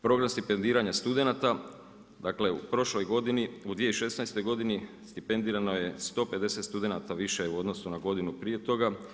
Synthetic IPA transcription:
pɾo̞ɡɾamst̪ipe̞nd̪iːɾaɲast̪ud̪e̞nat̪a | d̪aːkle̞ṵpɾo̞ʃlo̞jɡo̞d̪iniud̪ʋijeiʃe̞snajst̪o̞jɡo̞d̪inist̪ipe̞nd̪iːɾano̞je̞st̪o̞pe̞d̪e̞se̞t̪st̪ud̪e̞nat̪aʋiʃeuo̞d̪no̞sunaɡo̞d̪inupɾije̞t̪o̞ɡa

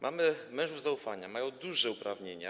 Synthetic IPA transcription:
mʔamɘmɛ̃ʐuvzaufaɲamajɔ̃w̃d̪uʐɛupɾavɲeɲa̰

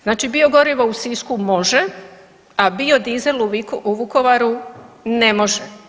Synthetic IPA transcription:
znaːt͡ʃibio̞ɡo̞ɾiʋousiskumo̞ʒe | abio̞d̪ize̞luʋuko̞ʋaɾune̞mo̞ʒe

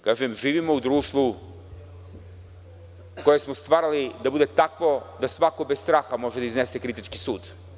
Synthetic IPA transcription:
kaːʒemʒiːʋimo̞ud̪ɾuːʃt̪ʋu | ko̞jesmo̞st̪ʋaːɾalid̪abud̪et̪akʋo̞d̪asʋako̞best̪ɾaːxamo̞ʒed̪aiznesekɾit̪it͡ʃkisuːd̪

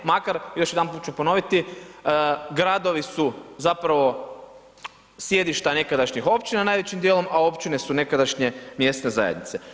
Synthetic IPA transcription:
makaɾjoʃjed̪anpuːt̪̚t͡ʃupo̞no̞ʋit̪i | ɡɾad̪o̞ʋisuzapɾaʋo̞ | sje̞d̪iʃt̪ane̞kad̪aʃɲixo̞pt͡ɕinanajʋe̞t͡ɕimd̪jelˠo̞mao̞pt͡ɕine̞sune̞kad̪aʃɲe̞mje̞st̪ne̞za̰jed̪nit̪se

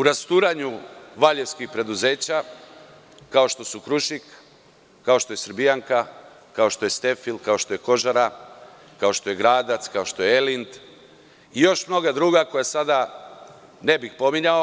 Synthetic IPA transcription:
uɾast̪uːɾaɲuʋaʎe̞ʋskixpɾe̞d̪uze̞ːt͡ɕa | kao̞ʃt̪o̞sukɾuʃikː | ao̞ʃt̪o̞je̞sɾbijaŋka | kao̞ʃt̪o̞jest̪e̞filkao̞ʃt̪o̞jeko̞ʒaɾa | kao̞ʃt̪o̞jeɡɾaːd̪at̪skaoʃt̪o̞jeelint̪ | ijo̞ʃmno̞ɡad̪ɾuːɡako̞jasad̪a | ne̞bixpo̞miɲao

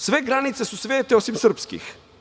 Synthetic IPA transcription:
svɛɡɾanit̪sɛsusvɛt̪ɛɔsimsəɾpskḭx

